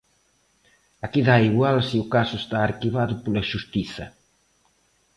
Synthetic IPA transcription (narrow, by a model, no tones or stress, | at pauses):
akiðaiɣwalsiukasuʊest̪aːɾkiβaðʊpolɐʒust̪iθɐ̰